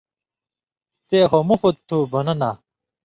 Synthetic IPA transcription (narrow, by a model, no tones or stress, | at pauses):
t̪eːxomufut̪̚t̪ʰːubɐnɐnaː